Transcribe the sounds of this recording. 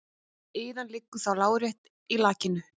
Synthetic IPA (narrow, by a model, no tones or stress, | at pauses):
iːðanlɪkːʏθawlaːwɾjɛht̪ | ilaːcɪnʏ